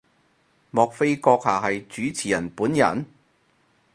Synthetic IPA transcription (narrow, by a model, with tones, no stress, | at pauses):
mɔː˨k̚fe˥jkɔː˧k̚haː˨˩hɐ˨jt͡ʃyː˨˥t͡sʰiː˨˩jɐ˨˩npuː˨˥njɐ̰˨˩n